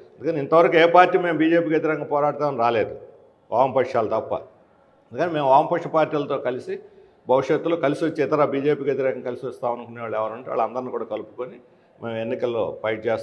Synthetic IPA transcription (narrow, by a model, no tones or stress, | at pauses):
ɐnd̪ukɐneint̪ɐʋɐɾɐkueːpaːɾʈːiːme̞ːmbiːd͡ʒe̞ːpiːkɐt̪iɾɛkɐŋɡɐpɔːɾaːʈɐt̪aːmɐnɾaːle̞ːd̪u | ʔaːmpɐkʂaːlɐt̪ɐpːɐ̰ | ɐnd̪ukɐneːme̞ːmʋaːmpɐkʂɐpaːɾʈːiːlɐt̪o̞ːkɐlisi | bʱɐʋiʂɐt̪ːuloːkɐlisiʋot͡ʃːeːt̪ɐɾaːbiːd͡ʒe̞ːpiːkɐt̪̬iɾɛːkɐŋɐkɐlisiʋɐst̪aːʋɐnukunːeʋaːɭɛʋɐɾuɳɖiʋa̰ːɭːɐnd̪ɐɾniːkuːɽaːkɐlupu̥koni | meːmenːikɐlːo̰ːpɐjʈ̚t͡ʃeːs